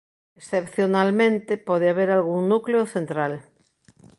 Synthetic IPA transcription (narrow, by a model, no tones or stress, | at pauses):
esθepθjonalmẽnt̪epɔð̞eaβeɾalɣuŋnukleoθent̪ɾal